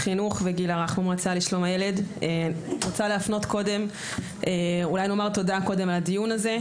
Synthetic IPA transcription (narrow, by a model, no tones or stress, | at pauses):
χinuχveɡilaʁaχmomʁat͡saliʃlo̞majele̞deʁot͡saleafno̞tko̞de̞m | eulajno̞maʁt̪o̞dako̞de̞malad̪ijunaze̞